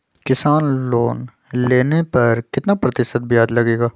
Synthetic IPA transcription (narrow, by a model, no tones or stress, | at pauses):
kɪsaːnloːn | leːnepɐɾkɪt̪napɾɐt̪ɪʃət̪̚bʱiaːd̪lɐɡeːɡaː